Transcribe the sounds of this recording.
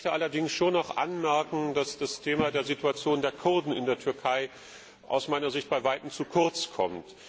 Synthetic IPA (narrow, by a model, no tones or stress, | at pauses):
təʔalɐdɪŋsʃoːnaʊχʔa̰nmɛɐkŋ̩dasd̥astʰeːmadeːɐzituat͡sjoːndeːɐkʰʊɐdn̩ɪ̰ndeːɐtʰʏɐkʰaɪ | ʔa̰ʊsmaɪnɐzɪçt̚b̥aɪvaɪtm̩t͡sukʰʊɐt͡skʰɔ̰mt